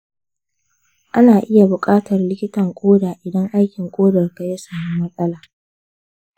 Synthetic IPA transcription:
ʔa˦naː˨ʔɪ˦ja˨bʊ˨kʼaː˦tɐ˨rlɪ˦kʲɪ˦tɐ˨ŋkʷʼoː˦daː˨ʔɪ˨dɐ˦ŋʔa˦jkʲɪ˨ŋkʷʼoː˦dɐ˨rka˨ja˦saː˨muː˦mɐ˦sʼɐ˦laː˨

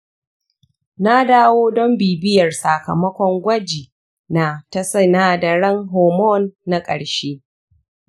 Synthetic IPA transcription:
na˦daː˦woː˦dɔ˦mbiː˨bɪ˦jɐ˨rsa˨kɐ˨mɐ˦kʷɔ˦ŋɡʷɐ˦d͡ʒiː˨ | na˨tɐ˦sɐ˦naː˦dɐ˨ɽɐ˦ŋɦɔː˨mɔ˦nːa˦kʼɐ̰˨ɽʃeː˦

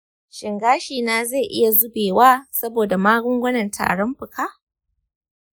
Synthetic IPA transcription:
ʃɪ˨ŋɡaː˦ʃiː˨naː˦za˦˨ʔɪ̰˦ja˨zʊ˦beː˨waː˦sɐ˦boː˨da˨maː˦ɡʷʊ˦ŋɡʷʊ˦nɐ˨ntʰa̰ː˨ɽɔ˦mɸɪ˨kʰaː˦

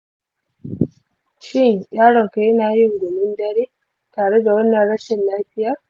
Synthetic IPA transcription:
ʃɪ˦ŋjaː˦ɽɔ˨ŋka˨ji˦naː˨˦ji˦ŋ˨ɡɔ˨mɪ˦ndɐ˦ɾiː˦ | taː˨ɽɛ˦da˨wɐ˦nːɐ˨nɽɐ˦ʃɪ˨nlaː˦ɸɪ˦ja˨

